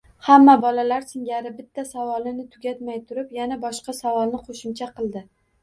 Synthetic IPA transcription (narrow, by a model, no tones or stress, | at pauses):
hamːabɒlalaɾsɪŋɡʲaɾɪbɪt̪ʰːasavɒlˠɪnɪt̪ʰʊɡʲat̪majt̪ʰʊɾɪpjanabɒʃqɑsavɒlˠnɪqʰoʃɪmt͡ʃʰaqʰɨlˠd̪ɪ